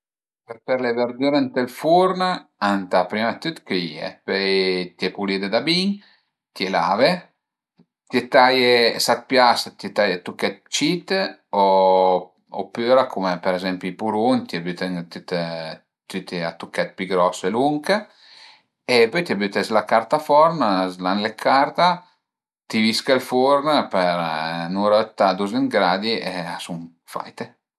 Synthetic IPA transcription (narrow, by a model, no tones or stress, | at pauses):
pepeɾleveɾd̪yɾent̪elfuɾnaant̪apɾimat̪yt̪keiḛpøjt̪jɛpulid̪ed̪abiŋ | t̪ela̰ve | t̪et̪ajesak̚pjast̪jet̪ajat̪ukːɛt̪̚t͡ʃit̪o | opyːɾakʰumepeɾezɛmpjuipuɾunt̪iabyt̪eŋt̪yt̪ | t̪yt̪eat̪ukːɛt̪̚piɡɾɔseluŋkə | epøjt̪iabyt̪eslakaɾt̪afɔɾnzlanlekʰaɾt̪a | t̪iviskəlfuɾnpeɾnuɾɔt̪ːad̪uzəŋɡɾad̪ieasun | fa̰jt̪e